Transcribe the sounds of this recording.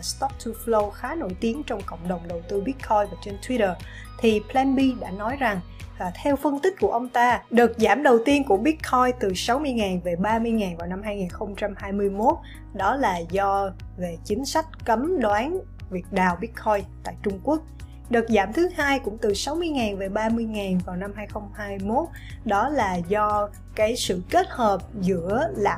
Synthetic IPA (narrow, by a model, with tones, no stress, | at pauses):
st̪ɔ˦˥k̚t̪ʰu˧flo˧xaː˨˦no̰˧˩jt̪i˨˦əŋt͡ɕɔ˧wŋ͡mkə̰˧˨wŋ͡mɗə˨˩wŋ͡mɗə˨˩wt̪ɨ˧ɓi˦˥ət̚kʰɔ˧jvaː˨˩t͡ɕe˧nt̪ʰwi˧ɾəː˨˩ | t̪ʰi˨˩pʰlɛ˧nɓi˧ɗa̰ː˧˥nɔ˨˦jza˨˩ŋ | vaː˨˩t̪ʰɛ˧wfə˧nt̪ï̟˦˥ku˧˩əʔə˧wŋ͡mt̪aː˧ɗɨ˨˩k̚zaː˧˩mɗə˨˩wt̪i˧ənkʊ˧˩əɓi˦˥t̚kʰɔ˧jt̪ɨ˨˩sa˨˦wmɨ˧əjŋaː˨˩nve˨˩ɓaː˧mɨ˧əjŋaː˨˩nvaː˨˩wna˧mhaː˧jŋiː˨˩nxə˧wŋ͡mt͡ɕa˧mhaː˧jmɨ˧əjmo˦˥t̚ | ɗɔ˨˦laː˨˩zɔ˧ve˨˩t͡ɕï˨˦ŋ̟sa˦˥jk̟̚kə˨˦mɗwaː˨˦n | vi˨˩ət̚ɗaː˨˩wɓi˦˥ət̚xɔ˧jt̪a̰ː˧˨jt͡ɕʊ˧ŋ͡mku˦˥ək̚ | ɗɨ˨˩k̚zaː˧˩mt̪ʰɨ˨˦haː˧jkʊ̰˧˥ŋ͡mt̪ɨ˨˩sa˨˦wmɨ˧əjŋaː˨˩nve˨˩ɓaː˧mɨ˧əjŋaː˨˩nvaː˨˩wna˧mhaː˧jxə˧wŋ͡mhaː˧jmo˦˥t̚ | ɗɔ˨˦laː˨˩zɔ˧ | kaː˨˦jsɨ̰˧˨ke˦˥t̚həː˨˩p̚zɨ̰˧˥əlaː˨˩